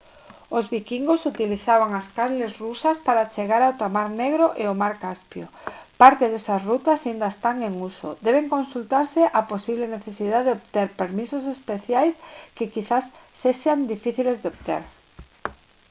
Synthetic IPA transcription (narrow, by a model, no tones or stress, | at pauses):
ozβikiŋɡosut̪iliθaβ̞aŋaskaɾlezrusaspaɾat͡ʃeɣaɾawt̪amaɾneɣɾoʔeomaɾkaspjo | paɾt̪eðesasrut̪asaind̪aest̪aŋeŋusod̪eβ̞eŋkonsult̪aɾseʔaposiβleneθesiðaðeopt̪eɾpeɾmisosespeθjajskekiθasːeʃand̪ifiθilezðeopt̪ḛɾ